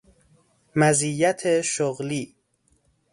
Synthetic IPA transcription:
mæzijːæt̪ʰeʃoɣliː

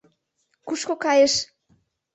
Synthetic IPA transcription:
kuʃkokɑjeʃ

